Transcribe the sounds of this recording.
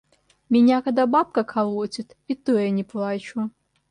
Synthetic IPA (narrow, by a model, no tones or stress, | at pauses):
mʲinʲakad̪abap̚kɐkʰɐlˠɔt͡sʲit̪ | it̪ojanʲɪplˠat͡ʃu